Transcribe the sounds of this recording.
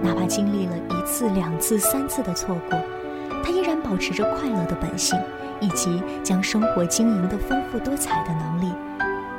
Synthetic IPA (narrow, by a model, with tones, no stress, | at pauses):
na˧˥ba˧˩t͡ɕi˥ŋli˥˩lə˩i˧˥t͡sʰɹ̩˥˩ljɑ˨˩ŋt͡sʰɹ̩˥˩sa˥nt͡sʰɹ̩˥˩d̪ə˩t͡sʰwɔ˥˧kʰu˥˩ | t̪ʰa˥i˥ɻa˧˥npɑ˨˩ʊʈ͡ʂʰɻ̩˧˥ʈ͡ʂə˥˧kʰwa˥˧ɪlɤ˥˩d̪ə˦pə̰˨˩nɕi˥˩ŋ | i˨˩t͡ɕi˧˥ | t͡ɕjɑ˥ŋʂɤ˥ŋxwɔ˧˥t͡ɕi˥ŋi˧˥ŋd̪ə˧fə˥nfu˥˩t̪wɔ˥t͡sʰa˨˩ɪd̪ə˦nɤ˧˥ŋli˥˩